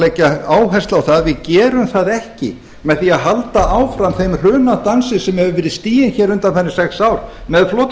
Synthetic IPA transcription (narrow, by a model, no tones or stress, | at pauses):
lɛcaaːwɦɛst̪lawθaðvɪðcɛːɾʏmθaðɛhcɪ̰ | mɛðθiaðɦalt̪aʔaːwfɾamθejmr̥ʏːnat̪ansɪsɛmhɛvʏvɪɾɪðst̪iːjɪnçɛɾʏnt̪anfɛnːɪsɛksaːwɾ̥mɛðflɔːt̪